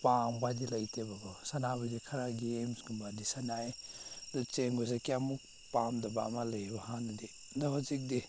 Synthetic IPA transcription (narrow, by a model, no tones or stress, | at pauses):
pambadilɐjtʰebaɡɔsanabadikʰɐɾaɡemsɡumbadisanajdut͡ʃeŋɡɔzakiamuk̚ | pamdɐbaːmalajbahanɐdi | ndaɦɔzik̚di